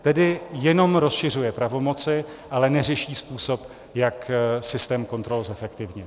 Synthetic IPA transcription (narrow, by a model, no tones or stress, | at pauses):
t̪ɛdɪjɛno̞mɾo̞sʃɪr̝ujɛpɾavo̞mo̞t͡sɪ | ʔalɛnɛr̝ɛʃiːspuːsop | jaksɪst̪ɛːmko̞nt̪ɾo̞lzɛfɛkt̪ɪvɲɛ